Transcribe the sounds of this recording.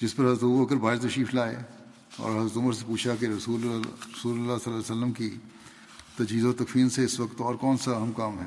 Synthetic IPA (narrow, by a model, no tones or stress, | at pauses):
d͡ʒɪspɐɾɦɐzɾət̪ːbəkəɾbʱaːɾt̪ɐʃiːflaːḛ | ɔ̰ːɾɦɐzɾət̪ʊməɾsepuːt͡ʃʰakiɾɐsuːɾɐsuːlʊlːasɐlːaːlɪsəlːəmki | t̪ɐd͡ʒɦiːzot̪ɐkfiːlseɪsʋɐkt̪ɔːɾkɔːnsaɐɦɐmkaːmɦɛ̰ː